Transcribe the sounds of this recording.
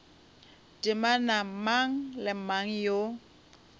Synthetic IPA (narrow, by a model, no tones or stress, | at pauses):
d̥ɪmanamaŋ̩lɪmaŋ̩jo